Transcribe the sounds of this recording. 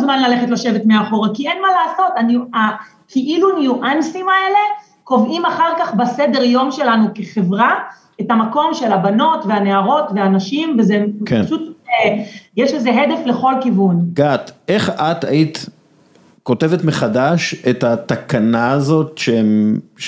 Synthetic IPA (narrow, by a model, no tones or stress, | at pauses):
zmanlale̞χetlaʃevetmeaχo̞ʁakienmalaːso̞tanua | kʰiʔilunjuʔansimae̞le̞ | ko̞vimaχaʁkaχbasede̞ʁjo̞mʃe̞lanuke̞χe̞vʁa | etamako̞mʃe̞labano̞tveaneaʁo̞tveanaʃimvezekaʃut̪ejɛʃeze̞ɦed̪efle̞χo̞lkivunɡ̥at̪ʔeχat̪a̰it̪ | ko̞tevet̪meχadaʃet̪at̪akanaːzo̞tʃeem